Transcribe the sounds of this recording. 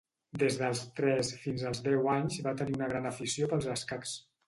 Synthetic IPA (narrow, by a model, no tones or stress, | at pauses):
d̪ezðəlˠst̪ɾɛsfinzəlˠzðɛwaɲzβat̪əniunəɣɾanəfisiopəlˠzəskaks